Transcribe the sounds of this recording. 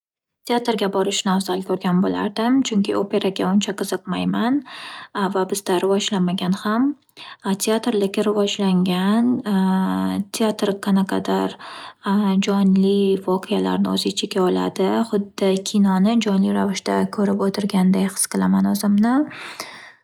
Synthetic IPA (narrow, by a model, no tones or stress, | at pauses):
t̪ʰeat̪ɾɡʲabɒɾɪʃnawzalɪkʲʰɵɾɡʲanbola̰ɾd̪ɪmt͡ʃʰʊŋkʲʰɪope̞ɾaɡʲaʊnt͡ʃʰaqʰɨzɨqmajman | vabɪzd̪aɾɪvɒd͡ʒlamaɡʲanham | t̪ʰeat̪ɾlɪkʲɪɾɪvɒd͡ʒlaŋɡʲan | t̪ʰeat̪ɾqʰanaqʰɑd̪aɾ | d͡ʒɒnlɪvɒqʰɨjala̰ɾnɪozɪt͡ʃʰekʲaɒla̰d̪ɪχʊd̪ːɪkʲʰinɒnɪd͡ʒɒnliɾavɪʃd̪akʰɵɾɪpot̪ʰɪɾɡʲand̪ajqɨ̥sqʰɨlˠamanʊzɪmnɪ